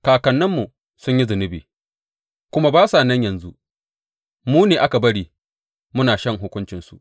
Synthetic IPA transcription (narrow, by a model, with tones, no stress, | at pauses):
kaː˨kɐ˨nːɐ˦mːu˨ | sʊ˦ɲji˦zʊ˨nɪ˦biː˨ | kʷʊ˦ma˦baː˦saː˨nɐ˦ɲjɐ˨nzu˦ʔ | muː˦neː˨ʔa˦ka˨bɐ˦ɽiː˨ | mʊ˦naː˨ʃɐ˦˨ŋɦʊ˦kʷʊ˦nt͡ʃɪ˨nsu˨ʔ